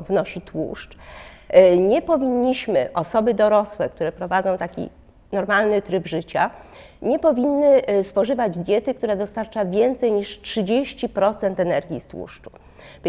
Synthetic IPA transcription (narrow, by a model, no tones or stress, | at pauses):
vnɔɕit̪wṵʂt͡ʂ | ɲɛpɔvʲiɲːiɕmɘʔɔsɔbɘd̪ɔɾɔswɛk̚t̪uɾɛpɾɔvad̪zɔ̃w̃t̪akʲḭ | nɔɾmalnɘt̪ɾɘbʐɘt͡ɕa | ɲɛpɔvʲinːɘspɔʐɘvad͡ʑd̪ʲjɛt̪ɘk̚t̪uɾad̪ɔst̪aɾt͡ʂavʲjɛnt̪sɛjɲiʂtʂɘd͡ʑeɕt͡ɕipɾɔt̪sɛnt̪ɛnɛɾɡʲist̪wṵʂt͡ʂu̥